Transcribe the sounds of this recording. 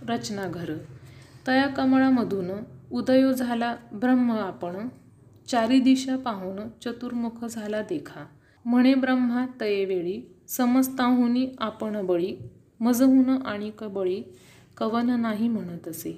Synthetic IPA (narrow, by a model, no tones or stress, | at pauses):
ɾət͡ɕnaɡʱəɾət̪əjakəmɭaməd̪ʱunud̪əjod͡zʱalabɾəmːəapəɳ | t͡ɕaɾid̪iɕapaɦunət͡ɕət̪uɾmukʰəd͡zʱalad̪ekʰa | m̤əɽ̃ebɾəm̤ːat̪əjeʋeɭiː | səməd͡zt̪ãɦuniːapəɳbəɭiː | məd͡zəɦunəʔaɽ̃ikəbəɭiː | kəʋənnaɦim̤əɽ̃ət̪əse